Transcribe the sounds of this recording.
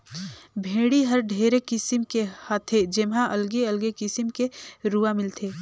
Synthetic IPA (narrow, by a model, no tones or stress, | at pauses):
bʱẽːɽiɦəɾɖʱeːɾekɪsɪmkehaːt̪ʰed͡ʒɪmɦãʔɐlɡeəlɡekɪsɪmkeɾuamɪlt̪ʰeː